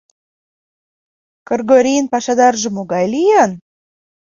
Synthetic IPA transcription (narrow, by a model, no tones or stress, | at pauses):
korɡoɾʲijnpɑʃɑd̪ɑrʒɤ̆moɡɑjlijɑn